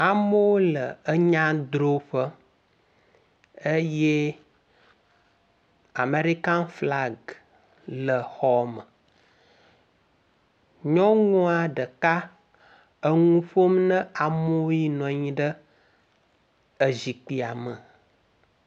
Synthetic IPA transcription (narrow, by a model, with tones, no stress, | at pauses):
a˨mo˦wo˦lə˨ə˦ɲã˦d̪ɾo˦ɸə˦ | ə˦je˦ | a˨me˨ɾi˦ka˦nfla˦ɡ | lə˨xɔ˨mə˨ | ɲɔ̃˦ŋũ˦a˨ɖə˨ka˦ | ə˦ŋũ˦ɸo˦mnə̃˦a˨mo˦ji˦nɔ̃˨ɲĩ˦ɖə˦ | ə˨zi˨k͡pi˨a˨mə˨